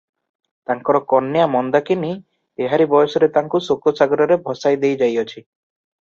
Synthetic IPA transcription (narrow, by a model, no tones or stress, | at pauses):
t̪aŋkɔɾɔkɔnːjamɔnd̪akini | eɦaɾibɔjsɔɾet̪aŋkusokosaɡɔɾɔɾebʱɔsajd̪ejd͡ʒajɔt͡ʃʰi